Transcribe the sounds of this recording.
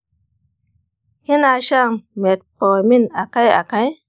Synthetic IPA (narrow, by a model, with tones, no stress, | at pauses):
ki˦na˧ʃa˦˨ŋme˨t̚po˨mi˦na˨ka˦ja̰˨ka˦j